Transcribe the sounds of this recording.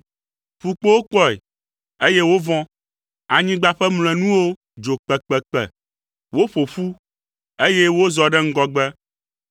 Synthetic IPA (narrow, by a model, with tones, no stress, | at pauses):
ɸu˨k͡po˦wo˦k͡pɔ˦ɛ̰˨ | e˦je˦wo˦vɔ̃˦ | a˨ɲĩ˦ɡ͡ba˨ɸɛ˦ml̃ɛ˨nũ˦wo˦ | d͡ʒo˨k͡pɛ˨k͡pɛ˨k͡pɛ̰˨ | wo˦ɸo˨ɸu˦ | e˦je˦wo˦zɔ˨ɖɛ˦ŋ̩˦ɡɔ˦ɡ͡bɛ˦